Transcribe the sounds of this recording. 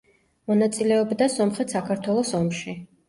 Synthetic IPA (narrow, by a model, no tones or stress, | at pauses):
mɔnat̪sʼilɛɔbd̪asɔmχɛt̪ʰsakʰaɾt̪ʰwɛlˠɔsɔmʃi